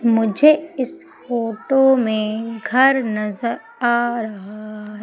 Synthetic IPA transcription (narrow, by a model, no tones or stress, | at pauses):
mʊd͡ʒʱeɪs | foːʈomẽɡʱɐɾnɐzəɾ | aːɾɐɦaɦɛ